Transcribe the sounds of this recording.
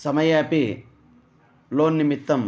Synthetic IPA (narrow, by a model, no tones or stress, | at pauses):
sɐmɐjaːpi | loːnːimit̪ːɐm